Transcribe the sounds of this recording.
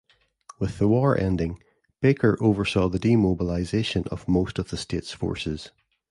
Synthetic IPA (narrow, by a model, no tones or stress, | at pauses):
wɪðəwɔɹʔɛ̰̃ndɪ̃ŋ | b̥ekʰə˞ʔovə˞sɔðədimobəlˠaɪzeʃə̃nə̰v̥mostəvðəstetsfɔ̰ɹsɪz̥